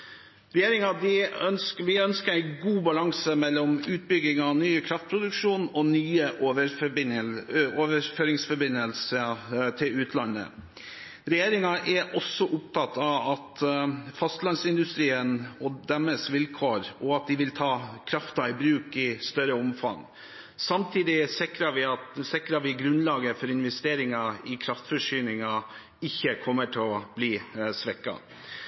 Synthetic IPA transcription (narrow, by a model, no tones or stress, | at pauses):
ɾɛjeːɾɪŋɑd̪ɪœnsʋɪœnskəɾæɪɡuːbɑlɑŋsəmɛlːɔmʉːt̪̚bʏɡɪŋɑʋnyːəkʰɾɑft̪̚pʰɾʊd̪ʉkʂuːnɔnyːəʔʋə | oʋəɾføːɾɪŋsfɔbɪnːəlsət̪ʰɪlʉːt̪ʰlɑnːə̰ | ɾɛjeːɾɪŋɑʔɛɾʔɔsːɔʔʊpt̪ʰɑt̪ːɑʋɑt̪fɑst̪lɑnsɪnd̪ʉst̪ɾiːənɔd̪ɛmːəsʋɪlkʰoːɾɔɑt̪̚d̪ɪʋɪlt̪ʰɑːkʰɾɑft̪ɑɪbɾʉːkɪst̪œɾəɔmfɑ̰ŋ | sɑmt̪ʰiːd̪ɪsɪkɾɑʋɪɑt̪sɪkːɾɑʋɪɡɾʉnlɑːɡəfɔɾɪnʋɛst̪eːɾɪŋɑɪkʰɾɑft̪fɔʂyːnɪŋɑ | ɪçːəkʰɔmːəʈʰɪlɔb̥liːsʋɛkːɑ̰